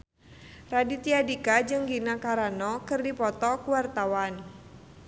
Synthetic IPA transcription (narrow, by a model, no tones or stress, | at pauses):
radit̪iadikad͡ʒɨŋɡinakaɾanɔkɨrdipɔt̪ɔkuwart̪awan